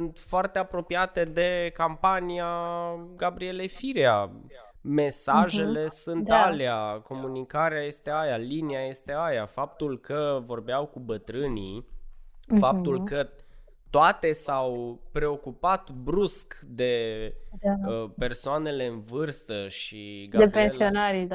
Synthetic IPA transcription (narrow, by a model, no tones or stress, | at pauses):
sɨnt̪foart̪e̞apɾo̞piat̪e̞d̪e̞kampanijaɡabɾie̞lejfiɾea | me̞saʒe̞le̞sɨnt̪aleako̞munikaɾeaje̞st̪eajaliniaje̞st̪e̞ajafap̚t̪ulkəvo̞rbeawkubət̪ɾɨni | fap̚t̪ulkə | t̪oat̪e̞sawpɾe̞o̞kupat̪bɾuskd̪e̞ | aəpe̞rsoane̞le̞ɨnvɨrst̪əʃiɡad̪epensionaɾida